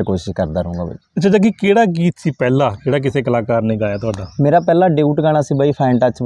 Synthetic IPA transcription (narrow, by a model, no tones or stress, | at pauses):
koːʃɪʃkəɾd̪aːɾəũːŋɡaːba̰iətːt͡ʃʰaːd͡ʒaːk̬ikeːɽaːɡiːt̪siːpɛːlaːkeːɽaːk̬ɪseːkəlaːkaːɾnĩːɡaːjaːt̪ʊaːɖaːmeːɾaːpɛːlaːɖeuːʈɡaːɽ̃aːsiːbaːiːpʰɛ̃ːɳʈət͡ʃ